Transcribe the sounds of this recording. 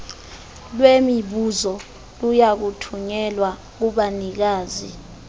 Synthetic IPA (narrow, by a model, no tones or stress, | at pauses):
lwemiɓuzɔ | lujak̬utʰuɲɛlwa | k̬uɓanik̬aːzi